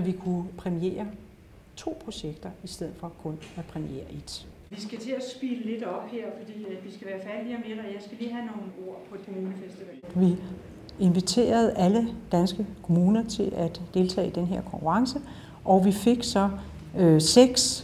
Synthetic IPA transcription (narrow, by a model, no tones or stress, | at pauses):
æʋikʰupʰʁɛmie̝̰ːɐ | t͡sʰo̝̰ːpʰʁo̝ɕeɡ̥d̥ɐisd̥eð̞̰̩ˠfɒ̽kʰɔ̽næpʰʁɛmie̝̰ːɐʔe̝d̥ | ʋisɡ̥æt͡sʰe̝æsb̥iːləle̝d̥ɒ̽b̥heɐ̰fɒ̽d̥ḭːæd̥ʋisɡ̥æʋæːɐfæɐliɐmeʁɐjɑ̈ɪsɡ̥æliːɦæno̝ːn̩o̝ɐ̰pʰɒ̽ed̥kʰmuːnəfesd̥iʋɛlʋi | e̝nʋit͡sʰe̝̰ːɐð̞ˠʔæləd̥ænsɡ̥əkʰo̝muːnɐt͡sʰe̝lʔæd̥d̥e̝lt͡sʰɛ̰ːd̥enɦe̝ɐ̰kʰɒ̽ŋkʰuʁɑ̈ŋsə | ʔɒʋife̝ɡ̥sɒ̽ | seɡ̥s